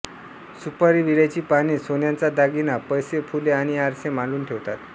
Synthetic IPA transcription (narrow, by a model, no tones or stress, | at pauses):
supəɾiʋiɽat͡ɕiːpaɽ̃iːsonjãnt͡sad̪aɡinapəjsefʰuleaɽ̃iaɾsemãluːnʈʰeʋt̪at̪